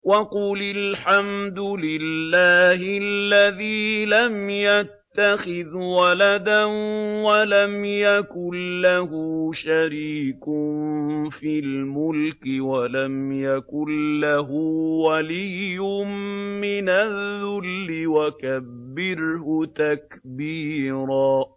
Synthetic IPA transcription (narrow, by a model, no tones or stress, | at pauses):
wɑqulɪlħamd̪ʊlɪlːaːhɪllːaðiːlamjat̪ːaxɪðwalad̪anwalamjakʊlːahʊʃaɾiːkʊnfilmʊlkɪwalamjakʊlːaɦʊwalijʊmmɪnaððːʊlːɪwakabːɪɾhʊt̪akbiːɾaː